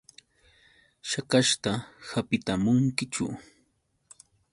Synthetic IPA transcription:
ʃakaʃt̪ahapɪt̪amʊŋkɪt͡ʃʊ̰

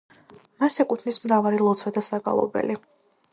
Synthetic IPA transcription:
masɛkʼut̪ʰnismɾavalilˠɔt̪sʰwɛd̪asaɡa̰lˠɔ̰bɛ̰li

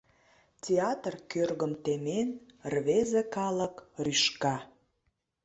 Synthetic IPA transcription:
tʲeɑt̪rkørɣəmt̪emenrβezekɑləkryʃkɑ

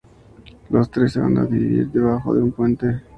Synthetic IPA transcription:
lost̪ɾeseβa̰nd̪a̰d̪iβiβḭɾd̪eβaxo̰ðeumpwent̪e

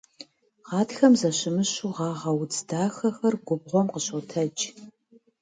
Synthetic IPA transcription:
ʁɑːtxɐmzɐɕɪmɨɕuːʁɑːʁɐwt͡sd̥aːxɐxɐrɡʷʊbʁʷɔmqəɕotʰɐd͡ʒʼ

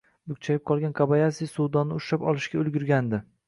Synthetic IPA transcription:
b̪ʊk̚ʲt͡ʃʰajɪp̚qʰɒlˠɡʲanqʰɑbajasijsuwd̪ɒnːɪʊʃapɒlˠɪʃɡʲaɵlɡʲʊɾɡʲand̪ɪ

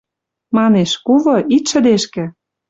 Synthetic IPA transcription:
mɑneʃkuvɤ̆it̪ʃə̆d̪eʃkĕ

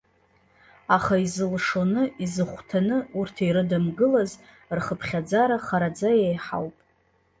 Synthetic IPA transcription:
aχaizɨlʂonɨizɨχʷtʰanɨurtʰejɾɨdamɡɨlaz | rχəpʰχʲad͡zaɾaχaɾad͡zajejħa̰wpʼ

